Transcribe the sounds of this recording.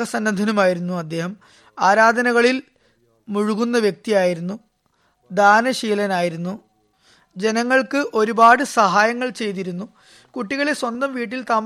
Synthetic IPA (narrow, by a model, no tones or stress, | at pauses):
ɐsɐnːɐd̪ʱɐnɐmaːjiɾunːuɐd̪ːe̞ːɦɐm | aːɾaːd̪ʱɐnɐɣɐɭil | muɻuɣunːɐʋjek̚t̪ijaːjiɾunːu | d̪aːnɐɕiːlɐnaːjiɾunːu | d͡ʑe̞nɐŋːɐɭkɨʔo̞ɾubaːɽɨsɐɦaːjɐŋːɐɭt͡ɕe̞jt̪̬iɾunːu | kuʈːiɣɐɭeswɐnd̪ɐmʋiːʈ̬ːilt̪aːm